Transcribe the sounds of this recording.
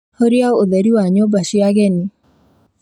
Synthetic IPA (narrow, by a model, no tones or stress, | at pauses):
hoɾiaoðɛɾiwaɲobaʃiaɣɛni